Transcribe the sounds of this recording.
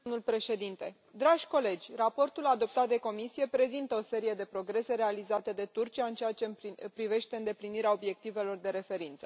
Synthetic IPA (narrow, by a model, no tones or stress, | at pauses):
mnulpɾe̞ʃe̞d̪int̪e̞ | d̪ɾaʒʲko̞le̞d͡ʒʲrapo̞rt̪ulad̪o̞p̚t̪at̪̚d̪e̞ko̞misije̞pɾe̞zint̪əo̞se̞ɾije̞d̪e̞pɾo̞ɡɾe̞se̞ɾe̞alizat̪e̞d̪e̞t̪urt͡ʃiaɨnt͡ʃeat͡ʃe̞ppɾive̞ʃt̪e̞ɨnd̪e̞pliniɾeao̞bje̞k̚t̪ive̞lo̞rd̪e̞ɾe̞fe̞ɾint̪sə